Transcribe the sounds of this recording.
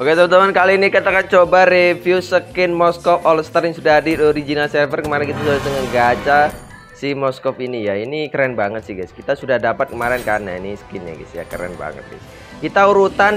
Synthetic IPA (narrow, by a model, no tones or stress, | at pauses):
oket̪əɾət̪əmankalinikat̪akant͡ʃobarefiusəkɪnmɔskɔfɔlst̪ərjaŋsudaɦadidoɾid͡ʒinalsɛvərkəmaɾɛnkit̪asudasəŋəŋɡad͡ʒa | simɔskɔfinijainikəɾɛnbaŋət̪̚sɪhɡɛskit̪asudahdapat̪̚kəmaɾɛnkanainisə̥kɪnɲa̰ɡḭsija̰kəɾɛ̰nba̰ŋə̰t̪̚dḭ | kit̪auɾut̪an